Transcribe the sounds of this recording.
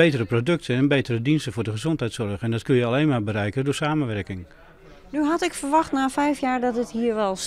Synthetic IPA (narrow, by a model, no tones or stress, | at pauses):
ejtərəprodɵk̚tʰənɛnbejtəɾədinstəfʊːɹdəχəzɔntɦɛjtsɔɹχɛndɔtkønjəaleːnmaːbəɾɛjkədʊːɹsaːmənʋɛrkɪŋ | nyɦɑtɪkfəɹʋɑχtnaːfɛjfjaːɹdɔtətɦiːɹʋɛlˠs